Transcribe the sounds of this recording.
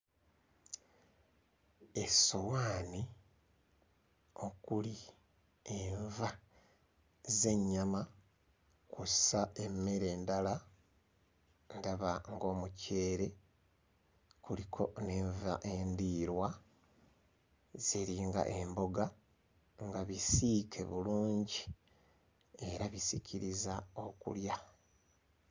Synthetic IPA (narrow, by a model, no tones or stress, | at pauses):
e̞sowaːni | o̞kuli | eɱva | ze̞ɲːama | kussae̞mːeɾe̞ːndala | ndaβaŋɡo̞ːmuce̞ːɾe̞ | kulikʰo̞neːɱva̰ʔendiɾwa | z̥iɾiːŋɡa̰ʔe̞mbo̞ɡa | ŋɡaβisikʰe̞̰βuluːɲɟi | e̞ɾaβisicʰiɾizao̞kṵlja